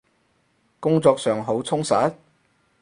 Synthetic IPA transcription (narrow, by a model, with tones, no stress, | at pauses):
kʊ˥ŋt͡sɔː˧k̚sœː˨ŋɦo˨˥wt͡sʰʊ˥ŋsaː˨˥t̚